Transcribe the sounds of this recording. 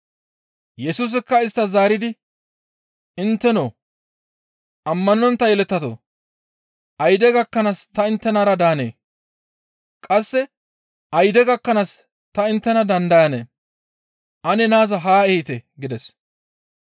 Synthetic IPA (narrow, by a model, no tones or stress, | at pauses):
jɛsuːs̬ɪkːɐɪst̪ːɐzaːɾɪd̪ɪ | ɪnt̪ːɛnoː | ʔɐmːɐnɔnt̪ːɐjɛlɛt̪ːɐt̪o̰ː | ʔɐjd̪ɛɡɐkːɐnast̪ɐɪnt̪ːɛnaɾɐd̪aːnḛː | kʼɐsːɛ | ʔɐjd̪ɛɡɐkːɐnas | t̪ɐɪnt̪ːɛnɐd̪ɐnd̪ɐjɐnḛː | ʔɐnɛnaːzɐɦaːɛhɪt̪ɛɡɪd̪ɛs